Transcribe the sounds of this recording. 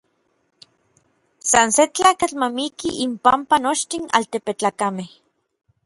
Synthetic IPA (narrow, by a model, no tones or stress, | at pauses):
sanset͡ɬaːkat͡ɬmamikiʔimpampanot͡ʃt̪ina̰lt̪epet͡ɬakameh